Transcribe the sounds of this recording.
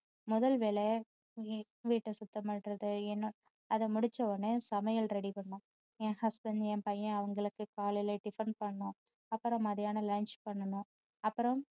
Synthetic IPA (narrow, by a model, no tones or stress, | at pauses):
mʊðɐlʋeːle | ʋiːʈːɯsʊt̪ːɐmɐʈɾɐðɯɛnː | ɐðɐmʊɽɪt͡ʃːɐonːɯsɐmɐjɐlɾɛɽipɐɳːʊ̃ː | ẽːhɐsbɐnd̪ɛ̃ːpɐjɐ̃ɐʋɐŋɡɐɭɯkːɯkaːlɐɪleɖɪfɐɾɳɖ̚pɐɳːʊ̃ | ɐpːɯɾɐ̃mɐðɪjaːnɐlaːnt͡ʃpɐɳːɐnʊ̃ː | ɐpːɯɾɐ̃m